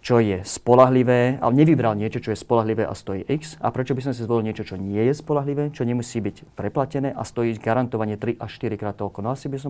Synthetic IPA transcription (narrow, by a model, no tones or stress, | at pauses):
t͡ʃɔjɛspɔlaɦliʋɛːa̰ɲɛʋibɾalɲɪɛt͡ʃɔt͡ʃɔjɛspɔlaɦliʋɛ̰ːʔa̰st̪ɔjḭʔiksa̰pɾɛt͡ʃɔbis̬ɔmsizʋɔlilɲɪɛt͡ʃɔt͡ʃɔɲɪɛjɛspɔlaɦliʋɛːt͡ʃɔɲɛmusiːbiɟpɾɛplacɛnɛːʔast̪ɔjiɟɡaɾant̪ɔʋaɲɪɛt̪ɾiʔaʃt̪iɾikɾaːt̪ɔlkɔnɔasibisɔ